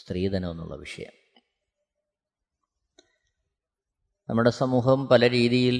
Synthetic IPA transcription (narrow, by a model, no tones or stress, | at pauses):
st̪riːd̪ɐnonːṵɭːɐ̰ʋiʂɐ̰jɐ̰m | nɐmːuɽe̞sɐmuːɦɐmpɐlɐɾiːðijil